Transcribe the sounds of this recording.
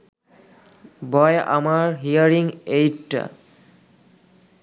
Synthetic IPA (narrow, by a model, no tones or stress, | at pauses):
bɔja̰maɹɦiaɾĩŋejʈ